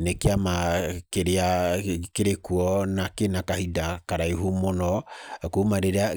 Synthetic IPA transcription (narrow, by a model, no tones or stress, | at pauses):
nekeamakeɾeakeɾekuɔnakenakahidakaɾaiɦumonɔkomaɾeɾea